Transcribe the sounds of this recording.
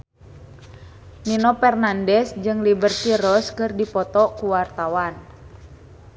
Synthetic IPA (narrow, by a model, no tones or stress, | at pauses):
ninɔpɛrnandɛsd͡ʒɨŋlibərt̪irɔskɨrdipɔt̪ɔkuwart̪awan